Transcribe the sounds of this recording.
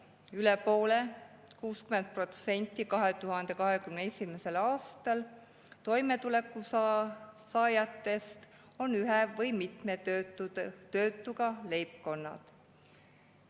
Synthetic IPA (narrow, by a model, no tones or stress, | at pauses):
ylɛpo̞ːle | kuːskyme̞nt̪̚pro̞t̪se̞nʲt̪ːˑikɑɦe̞t̪uɦɑnd̪̥e̞kɑɦe̞kymneesʲimese̞lɑːst̪ɑl | t̪o̞jme̞t̪ule̞kːˑu | sɑːjɑt̪ːˑe̞st̪ | o̞nyɦɛvɤjmit̪me | t̪ø̞ːt̪ːˑuɡ̥ɑle̞jp̚ko̞nːɑ̰d̪̥